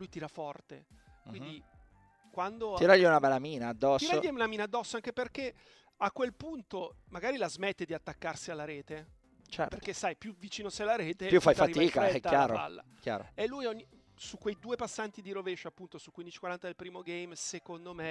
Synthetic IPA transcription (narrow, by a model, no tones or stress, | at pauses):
lujt̪iːɾafɔrt̪e | kkwind̪i | kwand̪oiɾaʎːiunabɛlːamiːnaːd̪ːɔsiːɾaʎːiunamiːnad̪ːɔsːoaŋk̟eperk̟e | akːwelpunt̪o | maɡaːɾilazmet̪ːed̪iat̪ːakːarsialːaɾeːt̪e | t͡ʃɛ̰ɾtperk̪kːesajpjuvit͡ʃiːnosejlːaɾeːepjufajffatiaiːkaɛkt̪ːajaːɾo̰a̰lːa̰ | kja̰ːɾo̰elːujɔɲːi | sukːwejd̪uːepasːant̪id̪iɾoveʃoapːunt̪osukːwind̪it͡ʃi̥kwaɾant̪ad̪elpɾiːmoɡejmsekond̪ome